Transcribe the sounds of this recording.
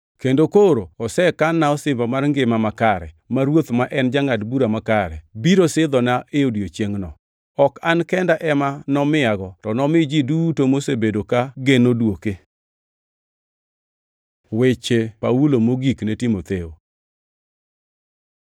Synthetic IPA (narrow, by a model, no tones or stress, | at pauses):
kendokoɾoɔsɛkanːaɔsɪmbamarŋɡɪmamakaɾɛ̰ | maɾwot̪maʔɛnd͡ʒaŋadbuɾamakaɾɛbiɾosɪd̪ɔnaʔeodiot͡ʃjeŋnɔ | ɔkankɛndaʔɛmanɔmɪaɡɔtɔnɔmɪd͡ʒidutomosebedokaɡenodwoke | wet͡ʃepaulomoɡiknetimot̪eo̰